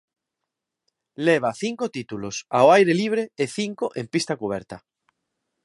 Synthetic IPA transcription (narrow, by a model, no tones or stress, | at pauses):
leβ̞aθiŋkot̪it̪ulosa̰oajɾeliβ̞ɾeeθiŋkoʔẽmpist̪akuβ̞eɾt̪a